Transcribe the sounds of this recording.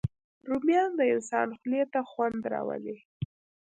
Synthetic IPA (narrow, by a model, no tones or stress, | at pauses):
ɾumijɑnd̪əɪnsɑ̰nxlet̪axwand̪ɾɑ̰wə̰li